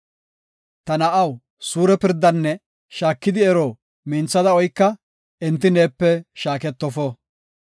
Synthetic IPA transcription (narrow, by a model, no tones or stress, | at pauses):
t̪ɐnɐʔɐw | suːɾɛpɪɾd̪ːɐnːɛ | ʃaːkːɪd̪ɪɛɾoː | miːnt͡sːɐd̪ɐɔjkːɐ | ɛnt̪ːɪneːpːɛʃaːkɛt̪ːɔfɔ